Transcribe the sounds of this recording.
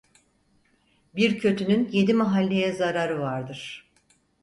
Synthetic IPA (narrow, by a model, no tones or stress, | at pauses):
biɾcʰø̞t̪ʰynynje̞d̪imaɦalʲːe̞jɛzaɾaɾɯvaɾd̪ɯɾ̥